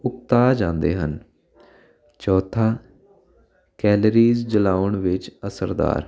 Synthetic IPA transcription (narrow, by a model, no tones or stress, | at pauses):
ʊk̚t̪aːd͡ʒãːnd̪ḛːɦə̰n | t͡ʃɔːt̪ʰaː | kɛːləɾiːzd͡ʒəlaːəɳʋɪt͡ʃəsəɾd̪a̰ːɾ